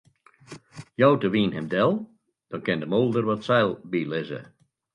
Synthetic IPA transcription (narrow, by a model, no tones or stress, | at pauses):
jɔwtəʋiːnɦɪmdɛlˠ | d̥ɔnkɪndəmolˠdərʋɔtsɛjlˠbilɪzə̰